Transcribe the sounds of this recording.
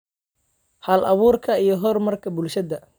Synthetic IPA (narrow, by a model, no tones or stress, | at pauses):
hɐlʔɐβuːrkʰɐijɞɦɔrmɐrkʰɐbʊlʃɐd̪ɐ